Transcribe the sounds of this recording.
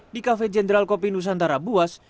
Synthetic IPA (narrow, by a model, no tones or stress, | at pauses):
dikafɛd͡ʒɛndɾalkɔpinus̬ant̪aɾabuas